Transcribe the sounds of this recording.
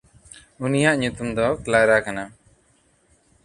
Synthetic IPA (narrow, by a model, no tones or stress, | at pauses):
unijaʔɲut̪umd̪ɔklaɾakana